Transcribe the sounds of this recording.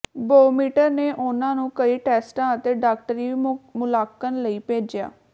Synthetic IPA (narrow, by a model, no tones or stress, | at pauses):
boːmiːʈəɾneːʔʊnãːnũːkəiːʈɛːsʈãːət̪eːɖaːk̚ʈəɾiːʋimʊlaːkənləiːpeːd͡ʒja̰ː